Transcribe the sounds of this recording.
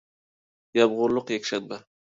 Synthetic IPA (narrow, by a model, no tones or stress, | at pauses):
jabʁʊɾlˠʊqjekʲʃat̪̚ba